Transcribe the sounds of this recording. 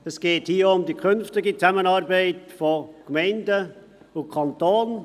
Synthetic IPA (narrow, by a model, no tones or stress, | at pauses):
ɛsɡ̥eːthiːəʊmdikʰʏnftɪɡit͡sæmənɑːɾbɛɪtfɔkmɛɪndə | ʊkʰɑntoːn